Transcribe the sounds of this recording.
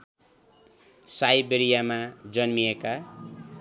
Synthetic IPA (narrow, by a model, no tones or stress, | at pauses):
sajbeɾijamad͡zʌnmijeka